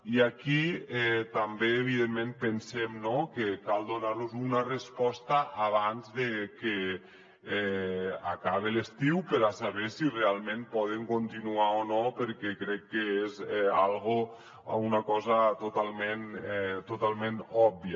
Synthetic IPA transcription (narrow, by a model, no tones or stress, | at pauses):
iakiɛt̪ambeeβ̞iðemːẽmpensɛmnokekalˠd̪onaɾnuzunarespɔst̪aʔaβ̞anzðeke | ɛa̰kaβelest̪iwpəɾasaβesirealˠmẽmpɔð̞eŋkont̪inuaonopəɾkɛkɾɛkːeezɛa̰lˠɣo | a̰unakɔzat̪ot̪alˠmenɛt̪ot̪alˠmẽnɔbbia